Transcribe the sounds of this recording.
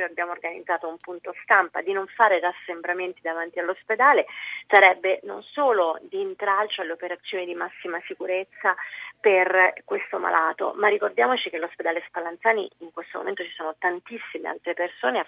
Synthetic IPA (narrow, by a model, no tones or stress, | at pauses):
jabjaːmorɡanḭd̪zːaːt̪oumpunt̪ost̪ampa̰d̪inoɱfaːɾerasːembɾament̪id̪avant̪ialːosped̪aːlesaɾɛbːeno̰nsoːlod̪iːnt̪ɾalt͡ʃoalːeopeɾat̪sːjoːnid̪imasːimasikuɾet̪sːaperkwest̪oma̰lʔaːt̪o̰marːikord̪jaːmot͡ʃik̟elːosped̪aːlespalant̪saːnḭiŋkwest̪omo̰ment̪ot͡ʃi̥soːnot̪ant̪isːimḛa̰lt̪ɾepersoːne